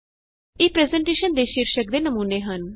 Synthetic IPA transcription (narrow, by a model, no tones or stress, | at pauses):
eːpɾɛːzɛɳʈeːʃənd̪eːʃiɾʃək̚d̪eːnəmuːneːɦən